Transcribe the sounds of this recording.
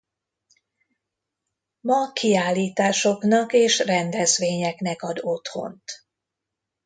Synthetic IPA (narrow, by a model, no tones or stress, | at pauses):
mɒkʰiaːlːiːt̪aːʃo̞knɒkeːʃrɛnd̪ɛzʋeːɲɛknɛkɒd̪o̞t̪ho̞̰nt̪